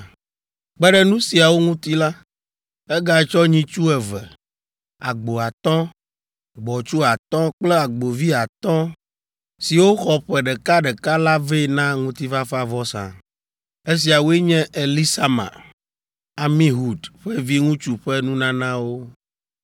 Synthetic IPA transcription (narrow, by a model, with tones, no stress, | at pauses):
k͡pɛ˦ɖɛ˦nũ˦si˨a˨wo˦ŋũ˦t̪i˦la˦ | ɛ˦ɡa˨ɛ˨t͡ʃɔ˦ɲĩ˦t͡ʃu˦ɛ˨vɛ̰˨ | a̰˨ɡ͡bo˨a˨t̪ɔ̃˦ | ɡ͡bɔ˨t͡ʃu˦a˨t̪ɔ̃˦k͡plɛ˦a˨ɡ͡bo˨vi˦a˨t̪ɔ̃˦ | si˨wo˦xɔ˦ɸɛ˨ɖɛ˨ka˦ɖɛ˨ka˦la˦vɛ˦˨nã˦ŋũ˦t̪i˦va˦fa˦vɔ˦sã̰˨ | e˦s̬i˨a˨wo˦e˦ɲɛ̃˦ʔe˨li˦sa˦mã̰˨ | a˨mĩ˦ɦu˨d̪ɸɛ˦vi˦ŋũ˦t͡ʃu˨ɸɛ˦nũ˦nã˦nã˦wo˦